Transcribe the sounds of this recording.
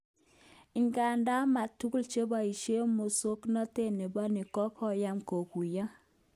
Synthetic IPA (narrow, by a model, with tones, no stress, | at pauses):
ɪ˨ŋɡa˨nda˦ma˨tu˦ku˦lt͡ʃe˦ba˨i˨ʃe˦mo˨so˦knɔ˦te˦ne˨bɔ˦nɪ˨kɔ˦kɔ˦ja˦mko˨ku˨ja˦